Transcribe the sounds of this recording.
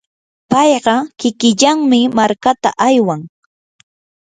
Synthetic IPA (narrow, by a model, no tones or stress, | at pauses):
pɑjɢɑkɪkɪʎaŋmɪmaɾkat̪a̰ʔajwaŋ